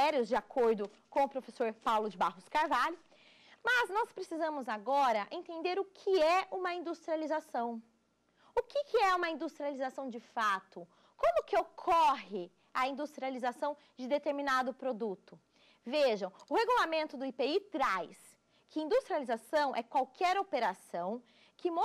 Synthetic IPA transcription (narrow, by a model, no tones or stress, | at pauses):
ɛɾiʊzd͡ʒɪakʰoɾd̪ʊ | kõw̃ʊpɾofesoɾpawlʊd͡ʒɪbahʊskaɾvalʊ | mɐznɔspɾesizɐ̃mʊzaɡɔɾɐʔẽnt̪ẽnd̪eɾʊkʰɪɛũmɐĩnd̪ust̪ɾializasɐ̃w̃ | ʊkɪkʰɪɛũmɐĩnd̪ust̪ɾializasɐ̃w̃d͡ʒɪfat̪ʊ | kõmʊkɪokʰɔɦɪ | ɐĩnd̪ust̪ɾializasɐ̃w̃ | d͡ʒɪd̪et̪eɾminad̪ʊpɾod̪ut̪ʊ | veʒɐ̃w̃ʊheɡulamẽnt̪ʊd̪ʊipeit̪ɾajs | kɪĩnd̪ust̪ɾializasɐ̃w̃ʔɛkwawkʰɛɾopeɾasɐ̃w̃ | kɪmo